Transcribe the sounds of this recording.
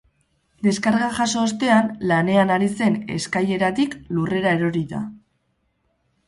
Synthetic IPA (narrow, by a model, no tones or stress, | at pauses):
d̪e̞skaɾɣaʝaso̞ːst̪e̞anlane̞anaɾise̞ne̞̰skaje̞ɾat̪iklure̞ɾae̞ɾo̞ɾiða̰